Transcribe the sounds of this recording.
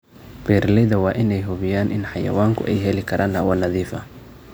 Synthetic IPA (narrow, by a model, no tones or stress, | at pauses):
bɛːɾlɪðɐwɑːʔɪnɛjɦʊβɪjaːnʔɪnħɑjɐ̰waːŋkʰʊ̰ʔɛjɦɛlɪkʰɐɾʔaːnɐwɐnɐðiːfɐ